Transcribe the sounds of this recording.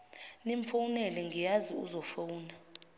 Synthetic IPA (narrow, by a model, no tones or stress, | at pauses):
niɱfawunɛlɛŋɡijaziṵzɔfowːna